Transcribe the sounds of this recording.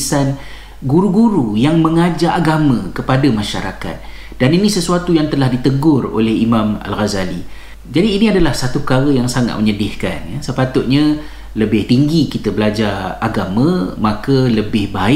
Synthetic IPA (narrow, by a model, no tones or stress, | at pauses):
san | ɡuɾuɡuɾujaŋmə̃ŋad͡ʒaʔːɡamə̃kəpadamãʃa̰ɾa̰ka̰t̪̚ | d̥aninisəsuat̪ujaŋt̪əlahdit̪əɡʊro̰lɛhimãma̰lɣazali | d͡ʒadiːniadalahsat̪upəkaɾəjaŋsaŋa̰t̪̚məɲədɪhka̰njasəpat̪ʊt̪̚ɲã | ləbɪht̪iŋɡikit̪əbəlad͡ʒaraɡamə̃makələbɪhbaɪ